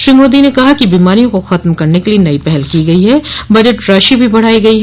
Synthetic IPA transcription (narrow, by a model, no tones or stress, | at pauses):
ʃɾiːmoːd̪inekɐɦakibiːmaːɾijõkoxɐt̪mkɐɾnekelienɐipɛɦɛlkiɡɐiɦɛːbɐd͡ʒeʈɾaːʃibʱibɐɽ̤aːiɡɐiɦ